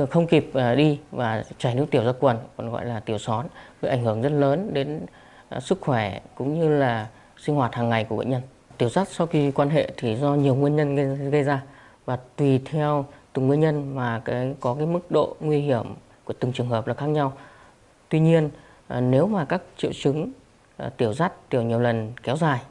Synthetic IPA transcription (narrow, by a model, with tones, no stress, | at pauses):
xə˧wŋ͡mki˨˩p̚ɗi˧vaː˨˩t͡ɕaː˧˩jnɨ˦˥kt̪i˧˩əwzaː˧kwə˨˩nkɔ˧˨˩nɣɔ̰˧˨jlaː˨˩t̪i˧˩əwsɔ˨˦nvəː˨˦jʔa˧˩ŋhɨ˧˩əŋzə˦˥t̚ləː˨˦nɗe˨˦n | sɨ˦˥k̚xwɛ˧˩kʊ̰˧˥ŋ͡mɲɨ˧laː˨˩ | sï˧ŋ̟hwaː˨˩t̚haː˨˩ŋːa˨˩jku˧˩əɓ̰ɲə˧n | t̪i˧˩əwsa˦˥t̚sa˧wxi˧kwaː˧nɦḛ˧˨t̪ʰi˨˩zɔ˧ɲi˨˩əwŋwi˧nɲə˧nɣɣə˧jzaː˧ | vaː˨˩t̪wi˨˩t̪ʰɛ˧wt̪ɨ˨˩ŋwi˧ənɲə˧nmaː˨˩kaː˨˦jkɔ˨˦kaː˨˦jmɨ˦˥k̚ɗo̰˧˨ŋwi˧hi˧˩əm | ku˧˩ət̪ɨ˨˩ŋt͡ɕɨ˨˩əŋhɦəː˨˩p̚laː˨˩xaː˦˥k̚ɲa˧w | t̪wi˧ɲi˧ən˩ | ne˨˦wmaː˨˩kaː˦˥k̚t͡ɕḭ˧˨wt͡ɕɨ˨˦ŋ˨˩ | t̪i˧˩əwza˦˥t̚t̪i˧˩əwɲi˨˩əwlə˨˩nkɛ˨˦wzaː˨˩j